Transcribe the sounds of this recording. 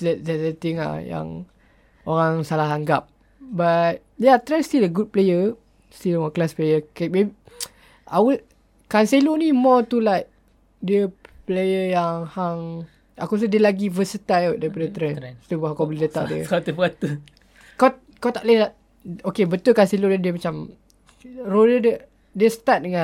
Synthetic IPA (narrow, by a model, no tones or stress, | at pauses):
dɛdɛsət̪ɪŋa̰hja̰ŋ | oɾaŋsalaɦaŋɡap̚ | bat̪̚jat̪ɾɛnst̪iləɡud̚plejə | st̪iləwɔklasplejəkamebi | ʔa̰wə | kanselonimɔt̪ulajt̚ | diəplejəjaŋhaŋ | akusədiəlaɡivəsət̪ajadaɾipadət̪ɾɛnst̪ubakawbəlidət̪a̰ʔ̚diə̰at̪ubat̪u | ka | kawt̪aʔledaʔ | okebət̪ulkanselonadiəmat͡ʃam | rodədə | dəsə̥t̪at̪̚dəŋã